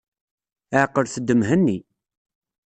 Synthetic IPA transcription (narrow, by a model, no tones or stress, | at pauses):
əʕqːəɾθəd̪ːəmɦənːi